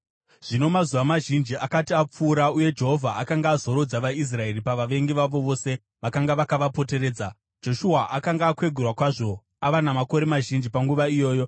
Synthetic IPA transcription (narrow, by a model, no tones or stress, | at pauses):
ʐ̥ino̞mazuʋamaʒind͡ʒiʔakatiap͡fuːɾauje̞d͡ʒe̞ɦo̞vʱaakaŋɡaːzo̞ɾod͡zaʋais̬rae̞ɾipaʋaʋe̞ŋɡiʋaʋo̞ʋo̞se̞ | ʋakaŋɡaʋakaʋapo̞te̞ɾe̞ːd͡za | d͡ʒo̞ʃuaʔakaŋɡaːkwe̞ɡʱurwakwaʐo̞ | aʋanamako̞ɾe̞maʒind͡ʒipaŋɡuʋaijo̞ːjo̞